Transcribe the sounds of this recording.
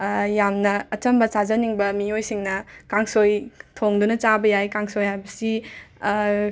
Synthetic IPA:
jamnɐːt͡ʃɐmbɐsazɐniŋbɐmiojsiŋnɐkaŋsojtʰoŋdunɐt͡ʃabɐjajkaŋsojhajbɐsi

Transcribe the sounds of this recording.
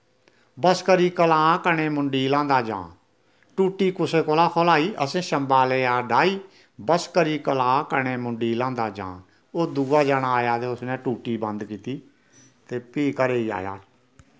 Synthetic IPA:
bəskəɾiːkəlãːkəɳ̃eːmʊɳɖiːlãːnd̪aːd͡ʒã̰ː | ʈuːʈiːkʊseːkoːlaːkʰoːlaːiːʔəsẽːʃəmbaːleːaːɖaːiː | bəskəɾiːkəlãːkəɳ̃eːmʊɳɖiːlãːnd̪aːd͡ʒã̰ː | oːd̪uːaːd͡ʒaːɽ̃aːjaːt̪eːʊsnɛːʈuːʈiːbə̃nd̪kiːt̪iː | t̪eːpiːkəɾeːiːa̰ːja̰ː

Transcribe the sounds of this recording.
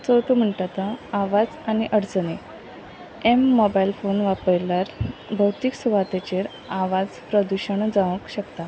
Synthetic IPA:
t͡soʈʰum̤əɳʈat̪əaʋad͡zañiʔəɽt͡səne | emːɔbailfonʋapəɭljaɾbʱəwt̪iksuʋat̪et͡ɕeɾ | aʋad͡zpɾəd̪uɕəɳd͡zaʋəkɕəkt̪a

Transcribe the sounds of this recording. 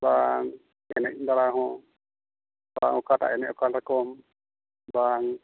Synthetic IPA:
baŋ | ɛnɛd̪alaɦɔ̃ | ba̰ŋɔkata̰ʔɛnɛʔɔkalakɔm | baŋ

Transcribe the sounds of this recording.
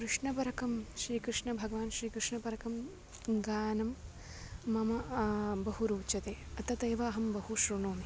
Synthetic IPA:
kɾɨʂɳɐpɐɾɐkɐmʃɾiːkɾɨʂɳɐbʱɐɡɐʋaːnʃɾiːkɾuʂɳɐpɐɾɐkɐm | ɡaːnɐmː | ɐmɐbɐɦuɾuːt͡ʃɐt̪eːɐt̪ɐt̪ɐːʋɐːɦɐmbɐɦuʃɾuɳoːmi

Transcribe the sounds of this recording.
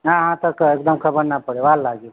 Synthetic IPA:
ɦãɦãt̪əkekd̪əmkʰɐbəɾnapəɽeʋaːlːaɡe

